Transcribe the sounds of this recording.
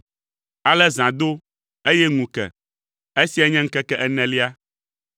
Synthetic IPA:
a˨lɛ˦zã˨d̪o˦ | e˦jɛ˦ŋũ˨kɛ̰˨ | e˦si˦ɛ˦ɲɛ̃˦ŋ̩˦kɛ˦kɛ˦ʔɛ˦˨nɛ̃˨li˦a˦

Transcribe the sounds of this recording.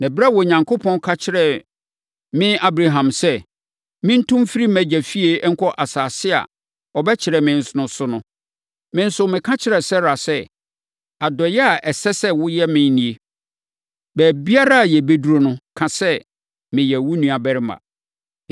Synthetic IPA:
nã˨bɾa˦˨wɔ˨ɲã˨ŋkʰo˦pʰɔ̃˦nkʰa˦t͡ɕʰɪ˦ɾɛ˨ | mɪ̃˦a˦bɾa˨ɦã˨msɛ˦ | mɪ̃˦n̩˦tʰʊ̃˦mfi˦ɾi˦mæ̃˨d͡ʑɛ˨fi˦e˨˦ŋ̩˦kʰɔ˦ʔa˨saː˨sɪ˦a̰˨ | ɔ˨bɛ˦t͡ɕʰɪ˨ɾɛ˨mɪ̃˨n̩˨sʊ˦nʊ̃˦sʊ˦nʊ̃˦ | mɪ̃˦n̩˦sʊ˦mɪ̃˨kʰã˦t͡ɕʰɪ˦ɾɛ˨sɛ˦ɾa˨sɛ˦ | a˨dɔ˨jɛ˦a˨ʔɛ˨sɛ˦sɛ˦wʊ˦jɛ˦mɪ̃˦n˦nĩ˨e˨ | bæː˨bi˦a˦ɾa˦a˨jɛ˨be˦du˨ɾo˦nʊ̃˦kʰã˨sɛ˦ | mɪ̃˨jɛ˨wʊ˦nũ˨a˨bɛ˦ɾɪ˦mã̰˨

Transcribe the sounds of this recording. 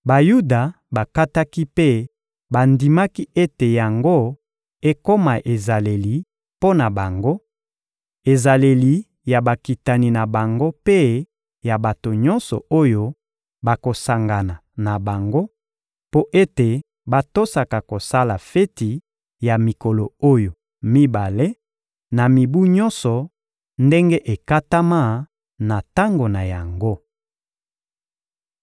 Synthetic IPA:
ba˨ju˦da˨ | ba˨ka˦ta˦ki˦pe˦ | ba˨ndi˨ma˦ki˦ʔe˦te˨ja˨ŋɡo˦ | e˦ko˦ma˨ʔe˨za˨le˨li˨ | po˦na˨ba˨ŋɡo˦ | e˨za˨le˨li˨ | ja˨ba˨ki˨ta˨ni˨na˨ba˨ŋɡo˦pe˦ | ja˨ba˨to˨ɲɔ˦nsɔ̰˨o˦jo˦ | ba˨ko˨sa˨ŋɡa˨na˨na˨ba˨ŋɡo˦ | po˦ʔe˦te˨ | ba˦to˦sa˨ka˨ko˨sa˦la˨fe˦ti˨ | ja˨mi˨kɔ˨lo˨o˦jo˨ | mi˦ba˨le˦ | na˨mi˨bu˦ɲɔ˦nsɔ˨ | nde˦ŋɡe˦ʔe˨ka˦ta˦ma˦˨ | na˨ta˦ŋɡo˨na˨ja˨ŋɡo˦

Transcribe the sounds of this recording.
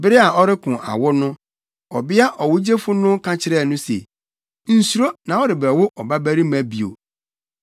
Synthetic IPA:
bɪ˦ɾɪ˦a˨ɔ˦ɾɪ˦kʰʊ̃˨ʔa̰˨wʊ˦nʊ̃˦ | ɔ˨bɪ˦a˦ʔɔ˨wʊ˦d͡ʑe˦fʊ˦nʊ̃˦kʰã˨t͡ɕʰɪ˦ɾɛ˦˨nʊ̃˦sḛ˨ | n̩˨su˨ɾo˦nã˨wɔ˦ɾɪ˨bɛ˨wʊ˦ʔɔ˨ba˦bæ˦ɾi˦mæ̃˨bi˨o̰˨

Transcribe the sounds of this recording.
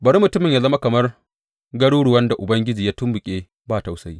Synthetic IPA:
bɐ˨ɽi˦mʊ˨tʊ˦mɪ˨ɲja˦zɐ˦ma˦kɐ˨mɐ˦r | ɡɐ˦ɽuː˦ɽʊ˨wɐ˦nda˨ʔʊ˨bɐ˦ŋɡʲɪ˦d͡ʒiː˨jaː˦tʊ˦mbʊ˨kʲʼeː˦ | baː˦˨ta˦˨wsa˦jiː˦

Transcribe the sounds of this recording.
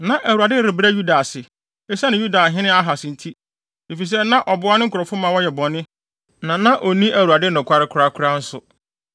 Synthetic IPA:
nã˨ʔæ˨wu˨a˨dɪ˦ɾɪ˨bɾæ˦ju˦da˨sɪ˨ | ɛ˦sɛ˦nɪ̃˨ju˦da˨ɦɪ̃˦nɪ̃˦a˦ɦa˨sɪ̃˨n̩˨tʰi˦ | e˨fi˨s̬ɛ˦nã˦ʔɔ˨bʊ˦a˦nɪ̃˦ŋ̩˦kʰʊ˨ɾɔ˨fʊ˦mã˨wɔ˦jɛ˨bɔ̃˨nɪ̃˦ | nã˨nã˦ʔo˨nĩ˦ʔæ˨wu˨a˨dɪ˦nʊ̃˨kʷʰa˦ɾɪ˦kʰʊ˨˦ɾa˦kʰʊ˦ɾa˦n̩˦sʊ˨

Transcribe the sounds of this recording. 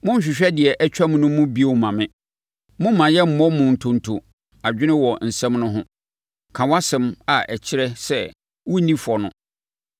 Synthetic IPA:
mʊ̃˦˨ɕᶣɪ˨ɕᶣɛ˦dɪ˨ɛ˨ʔɛ˦t͡ɕᶣa˦m̃˦nʊ̃˦mʊ̃˦bi˦o˦˨mã˨mɪ̃˦ | mʊ̃˦mmːã˨jɛ˦m̩˨mɔ̃˦mʊ̃˨n̩˨tʰʊ̃˨n̩˨tʰo˨ | a˨d͡ʑᶣɪ˦nɪ̃˦wɔ˨n̩˨sɛ̃˦mnʊ̃˦ɦʊ̃˦ | kʰã˨wa˦sɛ̃˦ma˨ʔɛ˨t͡ɕʰɪ˦ɾɛ˦sɛ˦˨ | wʊ˦nĩ˦fʊ˨ɔ˨nʊ̰̃˦

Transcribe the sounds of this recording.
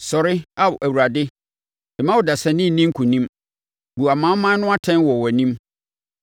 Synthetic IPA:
sɔ˨ɾɪ˦a˦wʔæ˨wu˨ɾa˨dɪ˦ | ɛ˨mã˦wɔ˨da˨sɛ˨nɪ̃˦˨nĩ˦ŋ̩˦kʰũ˨nĩ˦m | bu˨a˨mã˦m˦mã˦nʊ̃˦a˦tʰɛ̃˦n˦wɔ˨wɔ˨nĩ˦m

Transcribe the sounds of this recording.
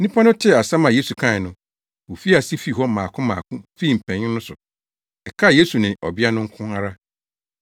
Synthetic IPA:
nĩ˦pʰa˦nʊ̃˦tʰɪ˦˨a˨sã˦mã˨je˦su˨kʰã˦˨nʊ̃˨ | wo˨fi˦a˨si˦fi˦˨ɦɔ˦mãː˨kʰʊ̃˦mã̰ː˨kʰũ˦fe˦i˨m̩˨pʰɛ̃˨ɲɪ̃˦nʊ̃˦sʊ˨ | ɛ˨kʰa˦˨je˦su˨nɪ̃˨ʔɔ˨bɪ˦a˦nʊ̃˦ŋ̩˦kʰʊ̃˦a˨ɾa˦

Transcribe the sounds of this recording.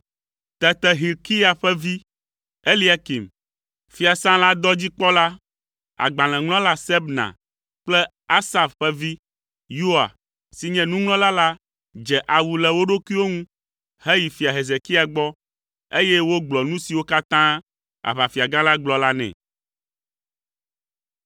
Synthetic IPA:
t̪ɛ˨t̪ɛ˨ɦi˨lki˦a˨ɸɛ˦vi˦ | e˦li˦a˨ki˨m | fi˨a˨sã˦la˦d̪ɔ˦d͡ʑi˦k͡pɔ˦la˦ | a̰˨ɡ͡bã˨l̃ɛ̃˨ŋlɔ̃˦la˦sɛ˦bnã̰˨ | k͡plɛ˦ | a˦sa˨fɸɛ˦vi˦ | ju˦a̰˨ | si˨ɲɛ̃˨nũ˦ŋlɔ̃˦la˦la˦ | d͡ʒɛ˨ʔa˨wu˨lɛ˨wo˦ɖo˦kʷi˦wo˦ŋũ˦ | ɦe˦ji˨fi˨a˨ɦe˨ze˨ki˦a˨ɡ͡bɔ˦ | e˦jɛ˦wo˦ɡ͡blɔ˨nũ˦si˨wo˦ka˦t̪ã˦ | a̰˨βa˨fi˨a˨ɡã˦la˦ɡ͡blɔ˨la˦nɛ̰̃˨

